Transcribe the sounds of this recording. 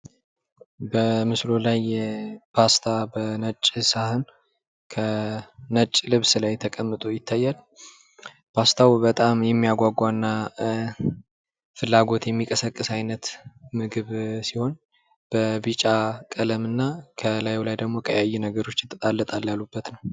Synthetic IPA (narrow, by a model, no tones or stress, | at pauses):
bəmɨslo̞lajːɛpʰast̪ʰabənət͡ʃʼːɨsahɨn | kʰənət͡ʃʼːlɨβsɨlajt̪ʰəkʼəmːɨt̪ʼujɪt̪ʰːajːal | pʰast̪ʰawbət̪ʼamjɛmːijaɡʷaɡʷaɨnːa | fɨlːaɡo̞t̪jɛmːikʼəsəkʼːɨsajnət̪mɨɡɨβsiho̞n | b̥əbɨt͡ʃʼakʼələmɨnːakʰəlajolajd̪əɡmo̞kʰʼəjajːɛnəɡəɾo̞t͡ʃːjɛt̪ʰʼːət̪ʼalːət̪ʼaljalːubːət̪nəw